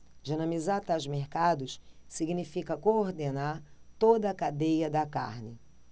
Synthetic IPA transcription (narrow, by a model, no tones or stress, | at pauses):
ʒenɐ̃mizat̪awzmeɾkad̪ʊssiɡinifikɐkooɾd̪enaɾt̪od̪ɐːkad̪ejɐd̪ɐka̰ɾnɪ